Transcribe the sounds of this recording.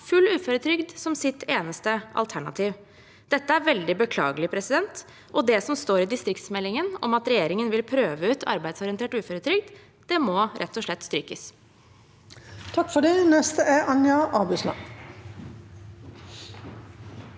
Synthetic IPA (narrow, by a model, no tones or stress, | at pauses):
fʉlːʉːføːɾət̪ʰɾʏɡd̪sɔmsɪt̪ʰeːnəst̪əʔɑ̰lt̪ʰæɳɑ̰t̪ʰiːʋ | d̪̥ɛt̪ːəæɾʋɛld̪ɪbəkʰlɑ̰ːɡəlɪpʰɾɛsɪd̪ɛnt̪ | ʔɔd̪ɛsɔmst̪oːɾɪd̪ɪst̪ɾɪkt̪smɛlːɪŋənɔ̰mɑt̪ɾɛjeːɾɪŋənʋɪlpʰɾøːʋəʉːt̪ʰɑ̰ɾbæɪd̪sɔɾɪənt̪eːʈʉːføːɾət̪ʰɾʏɡ̚d̪ | d̪̥ɛmɔːɾɛt̪ːɔʂɭɛt̪ːst̪ɾyːkəs | t̪ʰɑkːfɔɖinɛst̪əʔæʔɑŋjɑʔɑːbʉsnɑ̰